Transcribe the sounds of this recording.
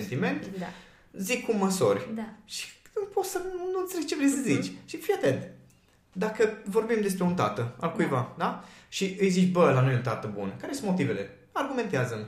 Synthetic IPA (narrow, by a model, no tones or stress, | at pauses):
ent̪ime̞nt̪ | zikːumːəsorʲʃi̥ɨmpo̞t̪sənuɨnt̪selet͡ʃe̞vɾejsəzit͡ʃʲʃifiat̪ent̪ | d̪akəvo̞rbimd̪es̬pɾeont̪a̰t̪əa̰lkujvad̪aʃiʔɨjzit͡ʃʲbəlanojont̪at̪əbṵnkaɾesunmo̞t̪ive̞le̞ | arɡume̞nt̪eazəm